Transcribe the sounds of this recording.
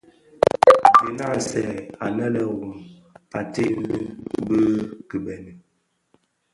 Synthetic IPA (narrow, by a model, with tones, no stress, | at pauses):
bi˨na˦˨sɛ˨a˨nə˦lə˨ɣu˨m | a˨te˦lɨ˦bə˦kə˨bɛ˨ni˨